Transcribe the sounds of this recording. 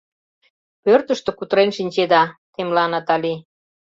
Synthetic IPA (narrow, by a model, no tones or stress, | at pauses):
pørt̪əʃt̪ekut̪əɾenʃinʲt͡ɕed̪ɑt̪emlɑnɑt̪ɑli